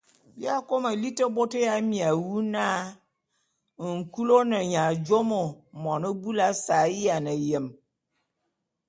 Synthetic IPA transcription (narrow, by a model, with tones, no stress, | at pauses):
bja˦ko˦mə˨li˦tə˦bo˦tɪ˦ja˦mĩ˨a˨wu˦nã˦˨ | ŋ̩˨ku˦lo˦nə˨ɲã˨d͡ʒo˦mo˨mɔ̃˨nə˦bu˦la˦sa˨˦ji˦a˨nə˨je˨m